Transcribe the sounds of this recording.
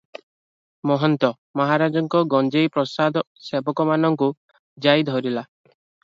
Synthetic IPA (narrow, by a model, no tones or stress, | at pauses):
mɔɦɔnt̪ɔ | mɔɦaɾad͡ʒɔŋkɔɡɔnd͡ʒejpɾɔsad̪ʱɔ | sebɔkɔmanɔŋku | d͡ʒajd̪ʱɦɔɾila